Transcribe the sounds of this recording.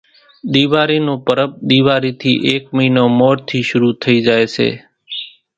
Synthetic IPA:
ɗ̪iːʋaːɾiːnõːpəɾəp̚ɗ̪iːʋaːɾiːt̪ʰḭːʔeːkməiːnoːmoːɾt̪ʰiːʃʊɾuːt̪ʰəiːd͡ʒaːeːsḛː

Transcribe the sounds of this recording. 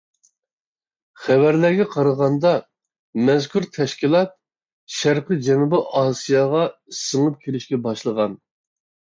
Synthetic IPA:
χɛwæɾlæɾɡʲɛqʰɑɾəʁɑnd̪ɑ | mɛzkʰuɾt̪ʰɛʃkʲilˠɑt̪̚ | ʃæɾqɨd͡ʒɛnubɪʔɑːsijɑʁɑsəŋɨp̚kʲʰelɪʃkʲɛbɑʃlˠəʁɑn

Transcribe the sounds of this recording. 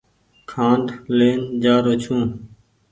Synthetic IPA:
kʰãːɳɖleːnd͡ʒaːɾoːt͡ʃʰũː

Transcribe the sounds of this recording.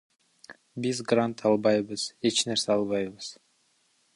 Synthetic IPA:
bizɡrant̪ʰɑlˠbɑjβɯz̥e̞t͡ʃneɾseɑlˠβɑjβɯz̥

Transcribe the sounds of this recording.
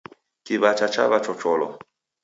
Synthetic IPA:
kiβat͡ʃat͡ʃa̰βat͡ʃɔt͡ʃɔlɔ̰

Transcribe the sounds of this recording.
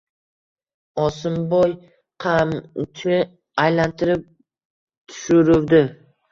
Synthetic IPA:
ɒsɪmbɒj | qʰamt͡ʃʰɪ | ajlant̪ʰɪɾɪp̚ | t̪ʰʊ̥ʃʊɾɪwd̪ɪ

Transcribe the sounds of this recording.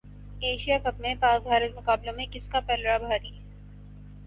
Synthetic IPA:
eːʃijakɐpnepaːsbʱaːɾət̪̚mʊkaːblõmẽkɪskapɛːlɾabʱaːɾiː

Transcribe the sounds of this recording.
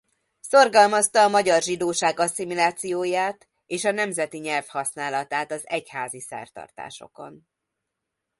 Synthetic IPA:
so̞rɡɒlmɒst̪ɒːmɒɟɒrʒid̪oːʃaːɡɒsimulaːt̪sijoːjaːt̪ | eːʃɒnɛmzɛt̪iɲɛlfhɒsn̪aːlɒt̪aːt̪ɒzɛchaːzisɛ̰rt̪ɒ̰rt̪a̰ːʃo̞̰ko̞̰n

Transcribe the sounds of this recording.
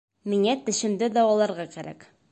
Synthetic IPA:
miŋæt̪ɘ̆ɕɘ̆md̪ɘd̪ɒwɒlˠɑɾʁɑkæɾæ̰k

